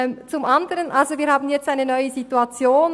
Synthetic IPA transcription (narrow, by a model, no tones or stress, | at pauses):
t͡sumʔɑndəʁənʔalzoviːɐhaːbn̩jɛt͡staɪnənœʏəzituɑt͡sjoːn